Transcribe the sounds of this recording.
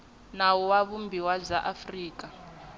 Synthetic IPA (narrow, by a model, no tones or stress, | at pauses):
nawɔwaβumbiwab͡ʐaʔafriːka